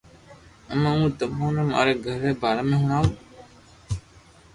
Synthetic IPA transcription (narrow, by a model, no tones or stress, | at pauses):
əmaũːt̪əmõːneːma̰ːɾeːɡʱəɾeːbʱaːɾaːmẽːɦʊɳaːũ